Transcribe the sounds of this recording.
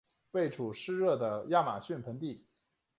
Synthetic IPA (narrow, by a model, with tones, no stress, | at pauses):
we˥˩ɪʈ͡ʂʰu˨˩ʂɻ̩˥ɻɤ˥˩d̪ə˩ja˥˩ma̰˨˩ɕy˥˩npʰə˧˥nt̪i˥˩